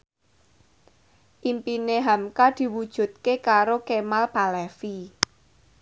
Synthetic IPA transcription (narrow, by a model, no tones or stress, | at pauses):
ʔimpineɦamkad̪̥i̤wud̥ʒ̥ṳt̪̚kekaɾokemalpalɛfi